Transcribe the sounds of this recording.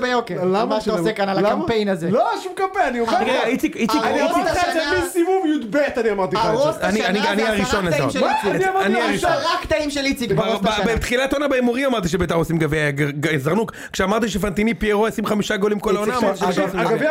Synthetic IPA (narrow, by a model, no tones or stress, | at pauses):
bejokelamaʃaosekanalaampejnazeloaʃumkampejnaniomeʁeɡait͡sikiikaimiaʃemisimumjud̪bet̪aniamaʁt̪iaaʁosanianianiaʁiʃonaimʃeiiamaaniaiʃoʁakːt̪aimʃelit͡sikbaosbabet̪χilat̪onabeimoʁimamaʁt̪iʃ̬ebet̪aχosimɡaveaɡezaʁnuk | kʃeamaʁt̪̬iʃefant̪inipieʁoasimχamiʃaɡolimkolaonaamaʁt̪iʃeasɡvea